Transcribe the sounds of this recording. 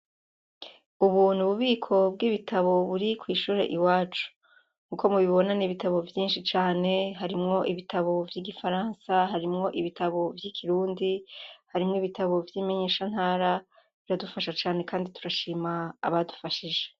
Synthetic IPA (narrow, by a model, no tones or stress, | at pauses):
uβun̥huβuβiːkʰo̞b̚ɡiβitʰaβo̞βuɾikwiːʃuːɾe̞̰ʔiwaːt͡ʃu̥ | ŋ̥uːkʰo̞muβiβo̞naniβitaβo̞vjiːnʃit͡ʃaːne̞ɦaɾimŋo̞ʔiβitʰaβo̞vjiːɡifaɾaːnsaɦaɾimŋo̞ʔiβitʰaβo̞vjikʰiɾuːndihaɾimŋoiβitʰaβo̞vjiːme̞ɲe̞ːʃan̥haːɾa | βiɾadufaʃat͡ʃaːne̞kʰaːndituɾaʃiːma̰ːβadu̥faʃiʒe̞